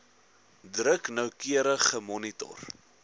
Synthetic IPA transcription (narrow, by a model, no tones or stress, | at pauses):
drəknœwkiəɾəχəmɔnitɔ̰r